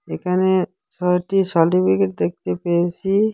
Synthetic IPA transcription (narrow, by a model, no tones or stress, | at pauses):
ekʰane | t͡ʃʰɔʈiʃɔʈibʱiɡeʈ̚d̪ek̚t̪epejet͡ɕʰi